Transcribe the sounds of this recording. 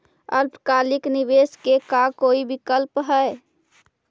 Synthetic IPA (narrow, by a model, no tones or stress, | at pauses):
ə̰ɾpɾəkaːlɪknɪʋeːskekakoːibɪkəlpɦɛe